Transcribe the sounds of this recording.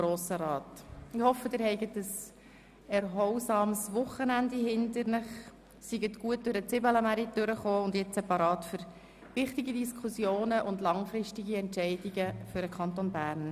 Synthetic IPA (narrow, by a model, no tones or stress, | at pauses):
ɾoːsəɾɑːtɪhɔfːədɪːɾhɛɪɡətəs | ɛɾɦɔwsɑːmsʋʊχənændiɦɪndəɾnəχ | siɡətɡ̥uət̚d̥ʊɾət͡sɪbələmæɾitøɾəχoːʊndjɛt͡sɛpɑɾɑːtfʏɾ | ʋɪχtiɡidiskʰusjoːnəʔʊndlɑŋfɾɪʃtiɡiɛnt͡ʃɛɪdiɡəfʏɾdəkʰɑntonbæːɾn